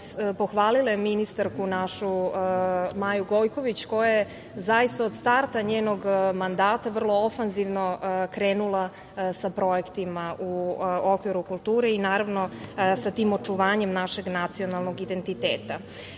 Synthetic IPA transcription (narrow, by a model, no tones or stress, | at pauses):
po̞xʋaːlilˠajeminist̪aɾkunaʃu | maːjuɡo̞jko̞ʋit͡ɕko̞jaje | zajist̪aod̪st̪aɾt̪aɲeːnoɡmand̪aːt̪aʋr̩lˠo̞ofanziʋno̞kɾeːnulˠa | sapɾo̞jekt̪imaʔuokʋiɾukulˠt̪uːɾeinaːɾaʋno̞sat̪iːmo̞t͡ʂuʋaːɲe̞mnaʃe̞ɡnat̪sionalˠnoɡid̪ent̪it̪eːt̪a